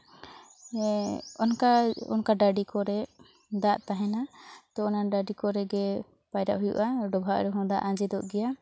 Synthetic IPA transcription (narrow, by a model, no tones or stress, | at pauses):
ɔnkaɔ̰nkaɖaɖikɔɾɛ | d̪aʔt̪aɦɛnat̪ɔɔnaɖaɖikɔɾɛɡɛ | pajɾaʔɦujṵʔaɖɔbʱaʔɾɛɦɔ̃d̪aʔãd͡ʒɛd̪ɔʔɡɛja